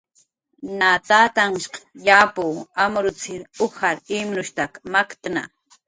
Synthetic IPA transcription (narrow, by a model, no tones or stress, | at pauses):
nat̪at̪aŋʃqjapuːamɾʊt͡sɪɾʊxaɾimnʊʃt̪akmakt̪na̰